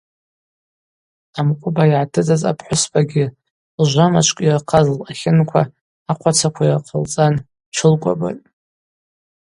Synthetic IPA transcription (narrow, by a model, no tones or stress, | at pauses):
amkʷʼʊbajʕatʰɨt͡sʼaza̰pʰħʷʊsbʰʼaɡʲɪ | lʒʷamat͡ʃʷʰʼkʷʼirqʰazlaχʲɪnkʷʰaː | qʷʰat͡sʰakʷʰairqʰəlt͡sʼan | t͡ʃʰɨlkʷʼa̰ba̰tʼ